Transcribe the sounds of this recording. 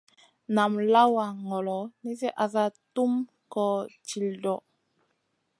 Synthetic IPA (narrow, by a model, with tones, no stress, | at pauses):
na˨mla˦wa˨ŋɔ˨lɔ˨ni˦s̬ɛ˦ʔa˨s̬a˦tu˦m | kɔ˨t͡ʃi˨ldɔ˨